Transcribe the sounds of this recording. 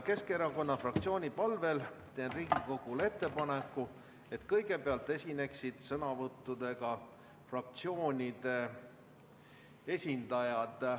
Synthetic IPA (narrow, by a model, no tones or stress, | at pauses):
ke̞skeɾɑko̞nːɑfrɑk̚t̪sʲio̞ːnʲipɑlve̞lt̪e̞ːnriːɡ̥iko̞ɡ̥ule̞t̪ːe̞pɑne̞kːˑu | e̞t̪kɤjɡe̞peɑlt̪ːˑe̞sʲine̞ksid̪̥sɤnɑvɤt̪ːud̪̥e̞ɡ̥ɑ | frɑk̚t̪sio̞ːnʲid̪̥e̞ | e̞sʲind̪̥ɑjɑd̪̥